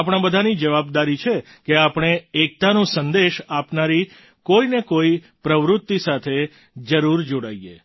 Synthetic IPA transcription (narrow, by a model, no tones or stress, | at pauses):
apɽ̃ãbəd̪ʱanid͡ʒəʋab̚d̪aɾit͡ʃʰe | keapɳ̃eːk̚t̪anũsənd̪eʃapnaɾi | koinekoi | pɾəʋɾʊt̪ːisat̪ʰe | d͡ʒəɾuɾd͡ʒoɽaije